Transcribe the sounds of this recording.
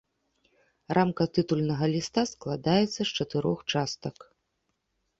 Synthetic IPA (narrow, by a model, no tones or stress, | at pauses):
rʔamkɐt̪ɨt̪ulʲnɐɣɐlʲist̪asklˠad̪ajɛt̪sːɐst͡ʂɐt̪ɨɾɔxt͡ʂast̪ɐk